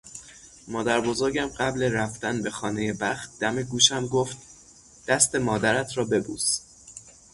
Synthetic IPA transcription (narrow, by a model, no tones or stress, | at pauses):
mɒːd̪æɾbo̞zo̞ɾɟæmɢæble̞ɾæft̪ænbe̞xɒːne̞je̞bæxt̪̚d̪æmeɡuːʃæmɡo̞ft̪̚ | d̪̥æst̪e̞mɒːd̪æɾæt̪ʰɾɒːbe̞bṵːs